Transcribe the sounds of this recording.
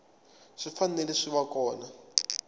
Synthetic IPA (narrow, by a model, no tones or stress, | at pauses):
ʂifanɛlɛʂiβakɔːna